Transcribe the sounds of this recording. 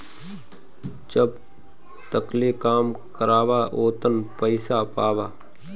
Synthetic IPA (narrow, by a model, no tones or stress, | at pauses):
d͡ʒəb | t̪əklekaːmkəɾaːʋaʔoːt̪ənpəɪsapaːʋaː